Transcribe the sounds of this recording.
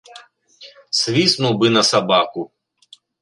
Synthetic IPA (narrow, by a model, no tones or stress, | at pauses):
sʋʲisnuwbɨnɐsɐbakʊ